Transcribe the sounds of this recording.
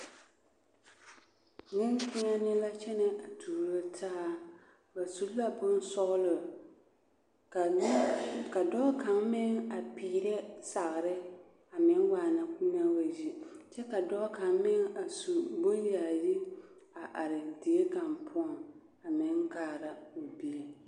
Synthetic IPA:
nɪ˦ŋkɪ˦ŋa˦nɪ˦la˦t͡ʃɛ˦nɛ˨a˨tʰuː˨ɾo˦tʰaː˦ | ba˨su˨˦lla˦bʊ˦n˦sɔ˦ɣlʊ˨˦ | ka˨dɔ˦ka˨mmɪ˦ŋa˨piː˨ɾɛ˦sa˨ɣɾɪ˦ | a˨mɪ˦ŋwaː˨na˦ku˦na˦wa˨d͡ʒi˦t͡ʃɛ˦ka˨dɔ˦ka˨˦mmɪ˦ŋa˨su˨bʊ˦n˦ja˨ji˦a˨ʔa˨ɾɪ˨di˨e˦ka˨mpʰʊ˦ɔ˨ŋ | a˨mɪ˦ŋɡaː˨ɾa˨o˨bi˦e˨

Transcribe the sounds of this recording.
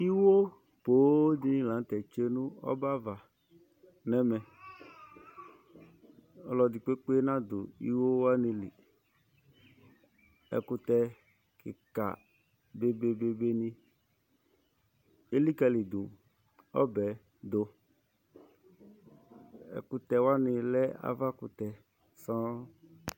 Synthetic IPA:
i˦wo˦ | po˨˦d̪i˦nĩ˦lã˨˦t̪ɛ˨t͡ʃe˦nũ˦ɔ̰˦ba˦va˨ | nɛ˦mɛ˨ | ɔ˨lɔ˨di˨k͡pe˦k͡pe˦e˦nã˦d̪o̰˨ḭ˦wo˦wa˦ni˦lḭ˨ | ɛ̰˨kʊ˦t̪ɛ˦ | kɪ̰˨ka̰˨ | be˦be˦be˦be˦nĩ˦ | e˦li˦ka˨li˨d̪u˨ | ɔ̰˦bɛ˨ | d̪o˨ | ɛ̰˨kʊ˧t̪ɛ˨wa˦nɪ̃˨lɛ˦a̰˦va˦kʊ˨t̪ɛ˨ | sɔ̃˦

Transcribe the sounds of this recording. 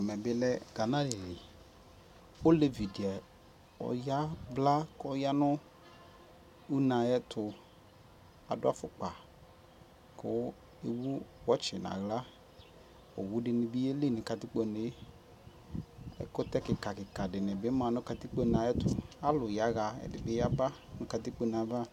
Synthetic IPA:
ɛ˨mɛ˨bɪ˦lɛ˦ɡa˨na˦li˨lɪ˨ | o˦le˦vi˨di˨ɛ˨ | ɔ̰˨ja˦bla˦kɔ˦ja˦nʊ˦ | u˦na˨jɛ˦tʰʊ˨ | a˨dʊ˦a˦fʊ˦k͡pa˨ | kʊ˦ | e˨wu˦wɔ˦t͡ʃɪ˨nã̰˨ɣla˦ | o̰˨wu˦dɪ˨nɪ˨bi˦e˦li˦˨nɪ˨ka˨tɪ˦k͡po˨ne˦ | ɛ̰˦kʊ˦tɛ˦kɪ˨ka˨kɪ˨ka˨dɪ˨nɪ˨bɪ˦mã˨nʊ̃˦ka˨ti˦k͡po˦nã˨˦ɛ˦tʊ˨a˦lʊ˨ja˨˦ɣa˨ɛ̰˨dɪ˨bɪ˦ja˦ba˦nʊ̃˨˦ka˨ti˦k͡po˦˨nã˨˦ba˦

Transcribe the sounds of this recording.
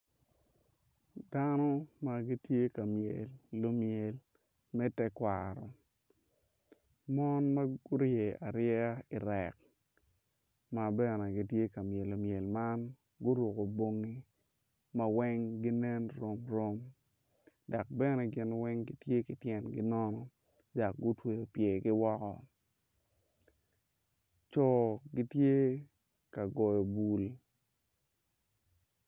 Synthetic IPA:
da˦nɔ˦ma˨ɡi˦tje˦ka˨mje˨lːo˦mje˨l | mɛ˦tɛ˦kwa˨ɾɔ̰˨ | mɔ˦nma˦ɡʊ˦ɾje˨a˨ɾɪjɛ˦a˦i˨ɾɛ˨k̚ | ma˨bɛ˦ne˨ɡi˨tje˦ka˨mje˨lːo˨mje˨lma˦n | ɡʊ˦ɾwo˨ko˨bo˦ŋːi˦ | mɐ˦wɛ˦ŋɡi˦nɛ˦nɾo˦mɾo˦m | da˨k̚bɛ˦nɛ˨ɡɪ˦nwɛ˦ŋɡi˦tje˦kɪ˨tjɛ˨nɡɪ˦nɔ˦nɔ˦ | da˨k̚ɡʊ˦twe˨jo˨pje˨ɡɪ˦wɔ˦kɔ˦ | t͡ʃɔ˨ɡi˦tje˦ | ka˨ɡɔ˨jo˨bu˨l

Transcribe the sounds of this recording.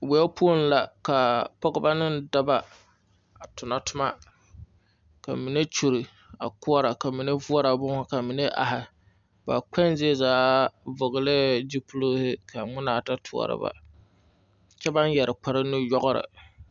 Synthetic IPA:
wɛ˨o˦pu˦o˦n˦la˨ka˨pɔ˦ɡɨ˦ba˦nɪ˦n˦da˦ba˨ | a˨tʊ˨na˨tʊ˦ma˦ | ka̰˨mi˨ne˦t͡ʃu˨ɾi˨ | a̰˨kʊ˦ɔ˦ɾa˨ka˨mi˨ne˦vʊ˦ɔ˦ɾa˨bʊ˦ka˨mi˨ne˦ʔa̰˨ɦɪ˨ | ba˨k͡pɛ˦n˦zɪ˦e˦zaː˨˦vʊ˨ɣɨ˨lɪ˦d͡ʒi˦pu˦lo˦hɪ˦kʰa˨ŋ͡mʊ˦naː˨ta˦tʰʊ̰˨ɔ̰˨ɾɨ̰˦ba̰˨ | t͡ʃɛ˦ba˦njɛ˨ɾɨ˨k͡pa˨˦ɾɪ˦nɨ˦jɔ˦ɣʊ˦ɾɨ̰˨

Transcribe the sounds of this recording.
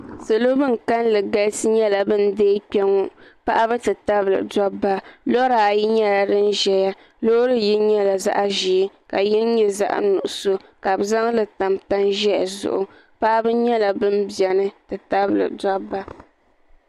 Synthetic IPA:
sɨ˨lo˦bɨ˦ŋ˨ka˦nlɨ˨ɡa˦lsɨ˦ɲɛ˦la˨bɨ˦n˦deː˦k͡pʲɛ˦ŋɔ˦pa˦ʔa˦bɨ˦tɨ˨ta˦blɨ̰˨dɔ˦bːa˦lɔ˦ɾa˨a˨ji˦ɲɛ˦la˨dɨ˦n˦ʒɛ˨ja˦ | lo˦ɾɨ˦ji˦ɲɛ˦la˨za̰˦ʔa˦ʒi˨˦ka˨ji˦n˦ɲɛ˦za̰˦ʔa̰˦nu˨ʔʊ˨so˦ka˨bza˦ŋlɨ˨ta˨mta˦nʒɛ̰˦˨zʊ̰˦ʔʊ˦ | pa˦ʔa˦bɨ˦ɲɛ˦la˨bɨ˦n˦bɛ˨nɨ˦tɨ˨ta˦blɨ̰˨dɔ˦bːa˦

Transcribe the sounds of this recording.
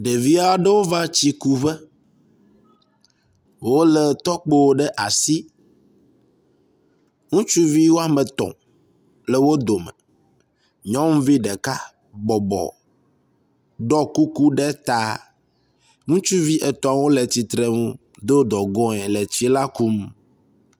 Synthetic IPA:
ɖe˨vi˦a˦ɖe˦wo˦va˦t͡ɕi˦ku˦βɛ˦ | wo˦lɛ˨t̪ɔ˦k͡pe˦wo˦ɖɛ˦ʔa˨si˦ | ŋũ˦t͡ʃu˦vi˦wo˦a˦me˨t̪ɔ̰̃˨ | le˨wo˦d̪o˨mɛ̰˨ | ɲɔ̃˦ŋũ˦vi˦ɖɛ˨ka˦ | ɡ͡bɔ˨bɔ̰˨ | ɖɔ˦ku˦ku˦ɖɛ˦t̪a˦ | ŋũ˦t͡ʃu˦vi˦ʔɛ˨t̪ɔ̃˨a˨wo˦lɛ˨t͡ɕi˨t̪ɾe˨ŋũ˦ | d̪o˦d̪ɔ˨ɡɔ̃˦ɛ̃˨lɛ˨t͡ɕi˦la˦ku˦m

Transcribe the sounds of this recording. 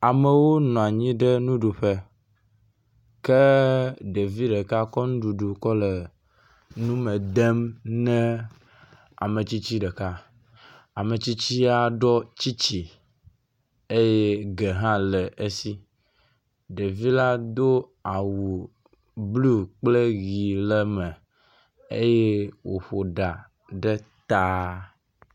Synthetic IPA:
a˨mɛ˨wo˦nɔ̃˨a˨ɲĩ˦ɖɛ˦nũ˦ɖu˨ɸe˦ | ke˦ɖe˨vi˦ɖɛ˨ka˦kɔ˦nũ˦ɖu˨ɖu˨kɔ˦lɛ˨ | nũ˦mɛ˨d̪e˦mnɛ̃˦ | a̰˨me˨t͡ɕi˦t͡ɕi˦ɖɛ˨ka˦ | a˨me˨t͡ɕi˦t͡ɕi˦a˨ɖɔ˦t͡ɕi˦t͡ɕi˨ | e˦je˦ɡe˨ɦã˦lɛ˨ʔe˦si˦ | ɖe˨vi˦la˦d̪o˦a˨wu˨ | blu˦k͡ple˦ɣi˨lɛ˦mɛ̃˨ | ḛ˦je˦wo˨ɸo˨ɖa˨ | ɖɛ˦t̪a˦

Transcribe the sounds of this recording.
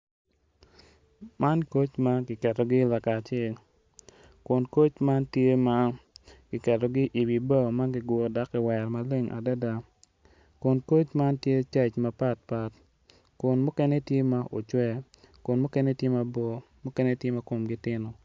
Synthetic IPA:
ma˦nko˦t͡ʃma˦ɡɪ˨kɛ˨tɔ˨ɡɪ˦la˨ka˨t͡ʃɛ˦˨l | kʊ˨nko˦t͡ʃma˦ntje˦ma˦ɡ̥ɪ˨kɛ˨tɔ˨ɡɪ˦ʔi˨bi˨ba˦˨ma˦ɡɪ˨ɡwɔ˨da˦kɪ˨wɛ˨ɾma˨le˦ŋʔa̰˨dɛ˦da˨ | kʊ˨nko˦t͡ʃma˦ntje˦t͡ʃɛ˦t͡ʃma˨pa˦t̚pa˨t | kʊ˨nmʊ˦kɛ˦nɛ˦tje˦ma˦ʔo˨t͡ʃwɛ˦ | kʊ˨nmʊ˦kɛ˦nɛ˦tje˦ma˦bɔ˨mʊ˦kɛ˦nɛ˦tje˦ma˦ko˨mɡɪ˦tɪ˦nɔ˨

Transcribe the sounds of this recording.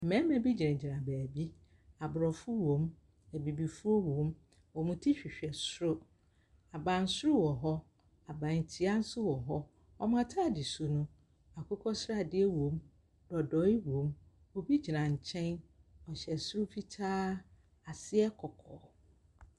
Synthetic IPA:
mɛ̃˦mɛ̃˨bi˦d͡ʑi˨ɾɛ̃˨d͡ʑi˨nã˨bæː˨bi˦ | a˨bɾɔ˨fʊ˦wõ˨˦m | æ˨bi˨bi˨fu˦ɔ˦wõ˨˦m | wɔ˨mʊ̃˦tʰi˦ɕᶣi˨ɕᶣɛ˨sʊ˦ɾʊ˦ | a˨bã˨n̩˦sʊ˦ɾʊ˦wɔ˨ɦɔ˦ | a˨bã˨n̩˨tʰi˦a˦n̩˦sʊ˦wɔ˨ɦɔ˦ | ɔ˦m˦ã˦tʰa˦˨dɪ˨su˨nʊ̃˦ | a˨kʰʊ˦kʰɔ˦sɾa˨dɪ˦ɛ˦wõ˨˦m | dɔ˨dɔ˨˦ɪ˦wõ˨˦m | ɔ˦bi˦d͡ʑi˨nã˨ɲ̩˨t͡ɕʰɛ̃˦nɔ˨ɕɛ˨sʊ˦ɾʊ˦fi˦tʰaː˦ | a˨sɪ˦ɛ˦kʰɔ˨kʰɔː˨˦

